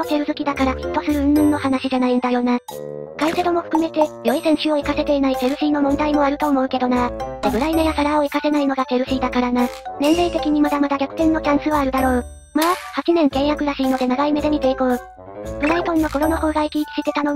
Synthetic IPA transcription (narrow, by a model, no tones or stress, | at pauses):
t̪ːo̞seɾɯ̟zɨkʲid̪akaɾakʲi̥t̪ːo̞sɨɾɯ̟ɯ̟̃nɯ̟̃nːo̞hanaɕiʑanaĩnd̪ajo̞ːna | kaise̞d̪o̞mo̞ɸɯ̟̥kɯ̟me̞t̪e̞jo̞isẽ̞ɰ̃ɕio̞ikase̞t̪e̞inaise̞ɾɯ̟ɕiːno̞mõnd̪aimo̞aɾɯ̟t̪o̞ːmo̞ɯ̟ke̞d̪o̞nad̪ebɯ̟ɾaime̞ɡasaɾaoikase̞naino̞ɡat̪e̞ɾɯ̟ɕiːd̪akaɾananẽ̞nɾe̞t̪e̞kʲiɲ̟imad̪amad̪aɡʲakɯ̟t̪ẽ̞nːo̞t͡ɕãɰ̃sɨβaːɾɯ̟d̪aɾo̞ː | mahat͡ɕinẽ̞ŋkẽ̞ɰ̃jakɯ̟ɾaɕiːno̞d̪e̞naɡaime̞d̪eɲ̟it̪e̞iko̞ɯ | b̥ɯ̟ɾait̪õ̞nːo̞ko̞ɾo̞no̞ho̞ːɡaikʲiːkʲi̥ɕit̪e̞t̪anõ